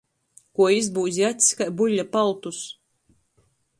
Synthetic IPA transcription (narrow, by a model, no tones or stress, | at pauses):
kuɔizbuːzʲijat̪ʲi̥skajbuʎʲːapalˠt̪us